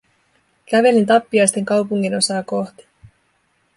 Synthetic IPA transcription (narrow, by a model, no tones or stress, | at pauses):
kæʋe̞lint̪ɑpːiɑjst̪e̞ŋkɑwpuŋːino̞sɑːko̞ht̪i̥